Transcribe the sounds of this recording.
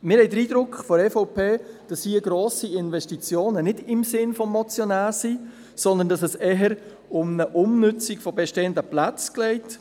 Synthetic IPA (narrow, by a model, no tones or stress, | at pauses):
mɪɾhɛɪjdəɾiːdɾʊkχfɔɛfoʊpʰeːd̥ɑshiːɡɾoːsiɪnvɛʃtit͡sjoːnənɪdɪmsɪnfɔmːɔt͡sjɔnaːsi | sɔnd̪əndɑsɛsɛɦəɾ | ʊmnəʔʊmnʏt͡sikfɔbɛʃteːəndəplat͡sklɛɪt